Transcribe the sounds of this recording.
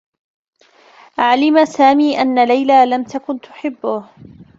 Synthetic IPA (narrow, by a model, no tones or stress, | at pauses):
ʕalɪmasaːmiːʔanːalajlaːlamt̪akʊnt̪ʊ̥ħɪbːʊh